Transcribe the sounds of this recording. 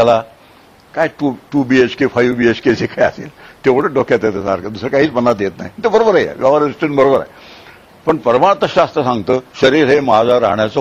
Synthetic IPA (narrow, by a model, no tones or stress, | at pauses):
ala | kajʈuʈuːbiet͡skifʰajʋbiet͡skesekaja̰sḛlt̪eʋəɽəɖokʰːjat̪et̪əsa̰ɾkad̪usɾəkaɦiːt͡smənːat̪jet̪na̰ɦit̪ebəɾobəɾəjḛʋjaʋaɾisʈəɳbəɾobəɾa̰j | pəɳpəɾəmaɭt̪əɕast̪ɾəsãŋɡt̪əːɕəɾiːɾɦemaɦad͡zaɾa̰ɦɳjat͡sɔ